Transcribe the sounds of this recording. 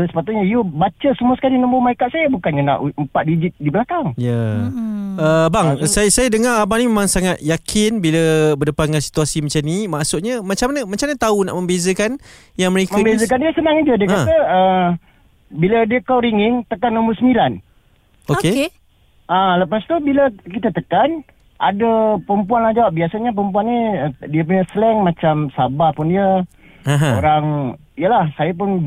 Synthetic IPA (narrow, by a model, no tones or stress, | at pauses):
əsə̥pat̪ʊʔ̚ɲaijubat͡ʃəsumuasə̥kalinəmbaumaikat̪̚sajabukanɲana̰ʔumpat̪̚did͡ʒit̪̚dibəlakaŋja | əbaŋsajsajədəŋaɾabanimemaŋsaŋat̪̚jakʰɪnbiləbədəpat̪̚ŋansi̥t̪uasimat͡ʃamnimaʔsuʔ̚ɲəmat͡ʃamanəmat͡ʃamaɲət̪auna̰ʔmə̃mbezəkan | jaŋməɾekməabezək̬andiəsənaŋid͡ʒədiəkãt̪əə | bilədiəkawɾiŋɪŋt̪əkanːombərsəmilan | oke | ʔaləpast̪ubiləkit̪at̪əkan | ʔa̰dəpəmpuanlahd͡ʒawap̚biasaɲəp̬əmpuanːiədiəp̬uɲəsəlɛŋmat͡ʃamsabahpʊndiə | ãɦãoɾaŋ | ijəlahsajap̬ʊn